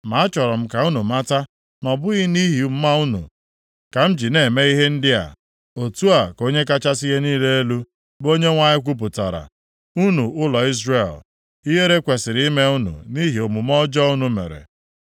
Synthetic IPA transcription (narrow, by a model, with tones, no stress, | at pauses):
ma˨˦a˦t͡ʃɔ˨ɾɔ˨m̩˦ka˨u˦nu˨ma˦ta˦ | nɔ˨bʊ˦ɣi˦ni˦ɦi˨˦m̩˦ma˦u˦nṵ˨ | ka˨m̩˦d͡ʒi˨ne˨me˦i˦ɦe˦n̩˦dɪ˦a̰˨ | o˨tu˦a˨ko˦ɲe˦ka˦t͡ʃa˦si˦ɦe˦niː˦le˦e˦lu˦ | bo˦ɲe˦ŋʷa˦ɲɪ˦k̬ʷu˦p̬ʊ˨ta̰˨ɾa̰˨ | u˦nu˨ʊ˦lɔ˨i˦zre˨l | i˦ɦe˦ɾe˦kʷe˨sɪ˨ɾi˦me˦u˦nṵ˨ni˦ɦi˨o˨mu˨m˦ɔ˦d͡ʒɔ˦u˦nu˨mḛ˨ɾḛ˨